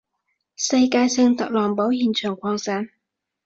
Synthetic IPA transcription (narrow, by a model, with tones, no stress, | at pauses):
sɐ˧jkaː˧jsɪ˧ŋt̪ɐ˨k̚lɔː˨˩ŋpo˨˥wjiː˨˩nt͡ʃʰœː˨˩ŋkʷʰɔː˧ŋsaː˨˥n